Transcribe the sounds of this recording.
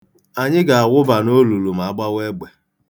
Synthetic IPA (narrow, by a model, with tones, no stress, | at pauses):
a˨ɲɪ˦ɡa˨a˨ɣʷʊ˦ba˨no˦lu˨lu˨m̩a˨a˦˨ɡ͡ba˦we˦ɡ͡be˨